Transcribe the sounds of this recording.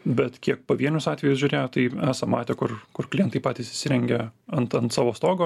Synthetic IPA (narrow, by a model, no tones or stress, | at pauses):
bʲɛt̪kʲiɛk̚poʋʲiɛnʲʊsɑːt̪ʲʋʲɛjʊsʒʲʊɾʲeːjoːt̪ɐɪæːsɐmɑ̰ːt̪ʲekʊrkʊrklʲɪjɛnt̪ɐɪpɑːt̪ʲisɪʃʲsʲɪɾʲɛŋʲɡʲɛɐnt̪ɐnt̪sɑːʋoːst̪oːɡoː